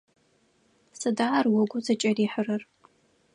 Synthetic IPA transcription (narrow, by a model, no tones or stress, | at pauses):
sɨdaːrwʊɡʷʊzɐt͡ʃʼɐriːħərɐr